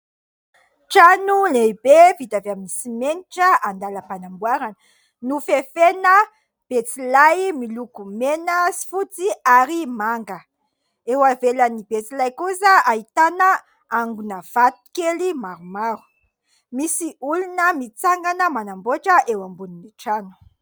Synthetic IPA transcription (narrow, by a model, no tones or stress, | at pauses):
ʈ͡ʂanulebefit̪aveaminisimeniʈ͡ʂəand̪aləpanambwaɾanə̥ | nufefenə | b̥et͡silajmilukumenəsi̥fut͡siaɾimaŋɡə | ewavelənibet͡silajkusəait̪anə | aŋɡunəv̥at̪u̥kelimaɾumaɾu̥ | misiulunəmit͡saŋɡanəmanamboʈ͡ʂəʔewambuniniʈ͡ʂanu̥